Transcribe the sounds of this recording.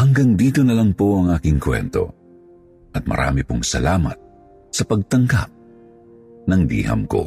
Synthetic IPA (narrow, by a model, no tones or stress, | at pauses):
hɐŋɡɐŋd̪iːt̪o̞nɐlɐŋpo̞ʔɐŋʔaːkɪŋkwɛ̰nt̪o̞̰ | ʔɐt̪̚mɐ̰ɾʔa̰ːmɪpoŋsɐlaːmɐt̪̚ | sɐpɐɡ̚t̪ɐŋɡa̰p̚ | nɐŋd̪ḭːhɐ̰mko̞̰